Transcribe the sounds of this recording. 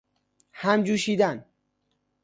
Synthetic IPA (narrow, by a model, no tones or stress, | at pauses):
hæmd͡ʒuːʃiːd̪æn